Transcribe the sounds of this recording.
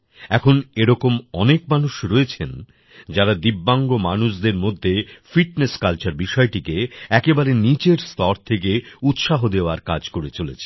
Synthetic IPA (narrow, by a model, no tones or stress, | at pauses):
ɛkʰoneɾɔkomɔnekmanuʃɾɔet͡ɕʰen | d͡ʑaɾad̪ibːaŋɡomanuʃd̪eɾmod̪ʱːefiʈneskalt͡ɕaɾbiʃɔeʈikeɛkebaɾenit͡ɕeɾst̪ɔɾt̪ʰek̬eut̪ʃaɦod̪eoaɾkad͡ʑkoɾet͡ɕolet͡ɕʰe̥